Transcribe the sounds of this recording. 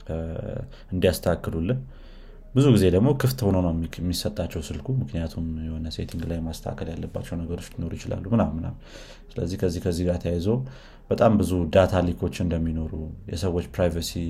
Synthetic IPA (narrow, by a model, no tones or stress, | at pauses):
ɨnd̪ijast̪ʰəakːɨlulːɨn | bɨzuɡize̞d̪əɡmokʰɨft̪ho̞nəwnəwmːisət̪ʼːat͡ʃːɛwsɨlkʰumɨknijat̪ʰumjɛho̞nəse̞̰t̪ʰiŋɡlajmast̪ʰa̰kʰəljalːəbːat͡ʃːɛwnəɡəɾo̞t͡ʃːt̪ino̞ɾujɪt͡ʃɪla̰lːumɨnamːɨna̰w | sɨlə̰zːihkʰəzːihkʰəzːihɡat̪ʰəjajzow | b̥ət̪ʼambɨzud̪at̪ʰalikʰo̞t͡ʃːɪɨnd̪əmːino̞ɾujɛ̰səwːo̞t͡ʃːpɾajvəsi